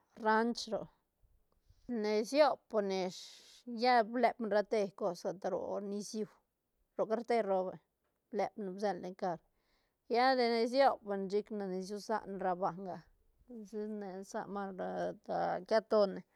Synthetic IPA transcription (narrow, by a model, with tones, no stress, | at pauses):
ɾa˦nt͡ʃɾo̰˨ | ne˨sjo˦bo˨ne˨ʂ | ja˦ble˧bnɾa˧t̪e˧ko˧sɡa˨t̪a˧ɾo̰˨ni˧sju˧w | ɾo˨ka˦ɾt̪e˦ɾo˧be˨ | ble˧˨bne˧bze˧nle˧ŋka˧ɾ | ja˦d̪e˧ne˧s̬jo˦pnt͡ʃi˦kne˧ne˧s̬ju˦sa̰˧ʔnɾa˧ba˨ŋɡa˨ | si˦ne˨sa̰˧ma˧ɾa˧d̪a˨ka˦t̪o˧ne˨